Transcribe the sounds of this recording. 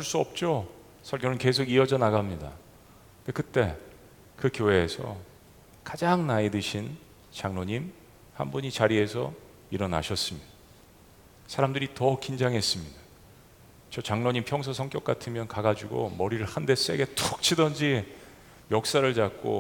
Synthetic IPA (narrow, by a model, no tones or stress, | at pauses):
uɭs͈uʌp̚t͡ɕ͈o | sʰʌɭɡjʌnɯnke̞s̬ʰoɡiʌd͡ʑʌnaɡamɲida̰ | nde̞kɯt͈e̞ | kɯkjoɦe̞ːsʰʌ̰ | kad͡ʑaŋnaidɯɕʰin | t͡ɕaŋnoɲim | hanbuɲit͡ɕaɾie̞sʰʌ̰ | iɾʌna̰ɕʰʌs͈ɯmid | sʰaɾamdɯɾitʌkind͡ʑaŋɦe̞s͈ɯmɲida | t͡ɕʌt͡ɕaŋnoɲimpʰjʌŋs̬ʰasʰʌŋk͈jʌk͈atʰɯmjʌnkaɡad͡ʑuɡo̰mʌɾiɾɯɭhande̞s͈e̞̰ɡe̞t͈ʰok̚t͡ɕʰidʌnd͡ʑi | jʌk̚s͈aɾɯɭt͡ɕak̚k͈o̰